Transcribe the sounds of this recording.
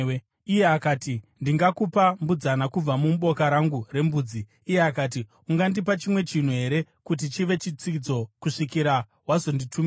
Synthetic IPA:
ijeakaːtindiŋɡakupambud͡zanakub͡vamumɓo̞kaɾaŋɡure̞mbuːd͡ziːjeakaːt̬i | uŋɡandipat͡ʃimwe̞t͡ʃin̤uɦe̞ɾe̞ | kut̬it͡ʃiʋe̞t͡ʃit͡sid͡zo̞kuʂikiɾa | ɦwazo̞nditʰumi

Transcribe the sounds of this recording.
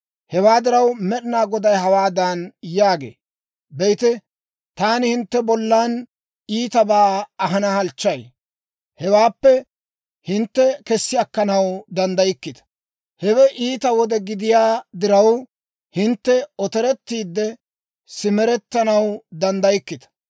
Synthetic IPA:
hɛwaːd̪ɪɾɐwmɛɗnaːɡɔd̪ɐjɦɐwaːd̪ɐnjaːɡḛː | bɛjt̪ɛ | t̪aːnɪhɪnt̪ːɛbɔlːaːn | iːt̪ɐbaːɐɦɐnɐhɐlt͡ʃːɐj | hɛwaːpːɛ | hɪnt̪ːɛkɛsːɪɐkːɐnɐwd̪ɐnd̪ɐjɪkːɪd̪ɐ̥ | hɛwɛʔiːt̪ɐwɔd̪ɛɡɪd̪ɪjaːd̪ɪɾɐw | hɪnt̪ːɛɔt̪ɛɾɛt̪ːiːd̪ːɛ | sɪmɛɾɛt̪ːɐnɐwd̪ɐnd̪ɐjɪkːɪd̪ɐ̥

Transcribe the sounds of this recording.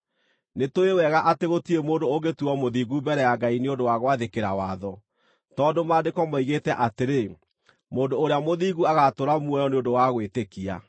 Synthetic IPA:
netoewɛɣaʔateɣotiemoːndoːɡetuɔmoðiːɣubɛɾɛjaɡaineondowaɣwaðekeɾawaðɔ | tɔːdomaːdekɔmɔiɣetɛʔateɾe | moːndoːɾeamoðiːɣuaɣatoɾamwɔjɔneondowaɣwetekia̰

